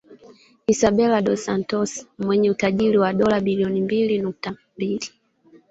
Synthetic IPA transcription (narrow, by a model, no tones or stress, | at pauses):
isabɛlaɗɔsantɔsmwɛɲɛutaʄiɾiwaɗɔlabiliɔnimbilinuk̚tambili